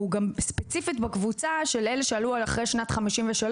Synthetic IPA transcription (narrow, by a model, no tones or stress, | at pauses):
uɡamspet͡sifit̪bakvut͡saʃe̞leleʃealualaχʁejʃnat̪χamiʃimveʃal